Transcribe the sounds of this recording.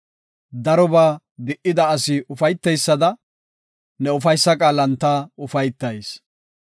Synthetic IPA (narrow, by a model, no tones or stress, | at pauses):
d̪ɐɾɔbaː | d̪ɪʔɪd̪ɐːsɪʊfɐjt̪ːɛjsːɐd̪ɐ | nɛʊfɐjsːɐkʼaːlɐnt̪ːaːʊfɐjt̪ːɐjs